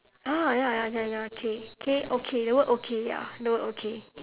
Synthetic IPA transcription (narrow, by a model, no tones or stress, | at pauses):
ʔajajaɲãjakʰekʰeʔokʰelowɛʔokʰeja̰lowɛʔokʰe